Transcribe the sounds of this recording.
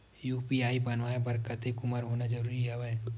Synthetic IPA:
juːpiaːibɐnʋaːebɐɾkət̪ekʊməɾɦoːnad͡ʒɐɾuːɾiaʋɛɛ

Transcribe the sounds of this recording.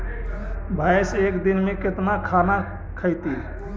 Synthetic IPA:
bʱajsekd̪inmẽkɪt̪nakʰana | kʰəɪt̪i

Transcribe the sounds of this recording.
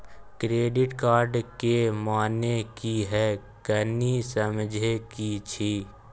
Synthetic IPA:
kɾeːɖɪʈkaːɾɖkemaːnekiɦɛː | kənisəmd͡ʒʱekit͡ʃʰiː

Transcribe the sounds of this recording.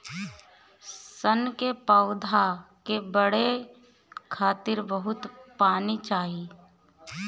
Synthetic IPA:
sənkepəʊd̪ʱakebəɽe | kʰaːt̪ɪɾbəɦʊt̪paːnit͡ʃaːɦi

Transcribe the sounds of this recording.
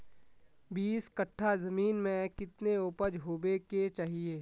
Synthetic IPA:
biːskɐʈʰːazɐmiːnmẽkɪt̪neʊpəd͡ʒɦoːbeket͡ʃaːɦieː

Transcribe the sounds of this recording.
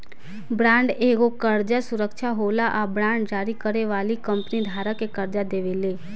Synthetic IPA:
bɾãːɳɖeːɡokəɾd͡ʒasʊɾəkʃʰaɦoːlaʔabɾãːɳɖd͡ʒaːɾikəɾeʋaːlikə̃mpnid̪ʱaːɾəkekəɾd͡ʒad̪eːʋeleː

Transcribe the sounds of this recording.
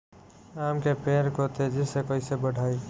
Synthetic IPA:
aːmkepeːɾkot̪ʰed͡ʒɪsekoisebəɽʱaːi

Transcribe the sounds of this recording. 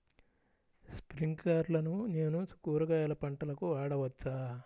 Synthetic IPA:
spɾiŋɡaːɾlɐnune̞ːnusu̥kuːɾɐɡaːjɐlɐpɐɳʈɐlɐkuaːɽɐʋɐt͡ʃːaː

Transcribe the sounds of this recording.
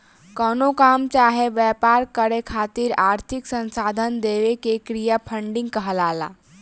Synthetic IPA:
kəːnokaːmt͡ʃaːɦeʋjɛːpaːɾkəɾekʰaːt̪iɾaːɾt̪ʰɪksə̃nsaːd̪ʱənd̪eːʋekekɾijapʰə̃ɳɖɪ̃ŋɡ̚kəɦəlaːla̰ː

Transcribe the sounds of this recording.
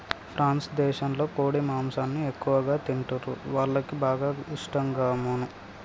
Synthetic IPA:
pʰɾʔaːnsd̪ɛːʃɐmlo̞ːkoːɽimaːmsaːnːiekːuʋɐɡaːt̪iɳʈuɾṵʋaːɭːɐkibaːɡaːiʂʈɐmɡaːmonu

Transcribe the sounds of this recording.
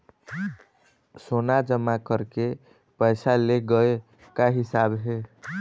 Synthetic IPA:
sonad͡ʒəmːakəɾke | pəjsaleɡəe | kaɦisabɦe

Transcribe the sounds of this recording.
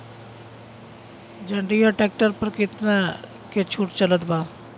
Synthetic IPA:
d͡ʒə̃ɳɖijaʈɛːk̚ʈəɾpəɾkɪt̪na | ket͡ʃʰuːʈt͡ʃələt̪baː

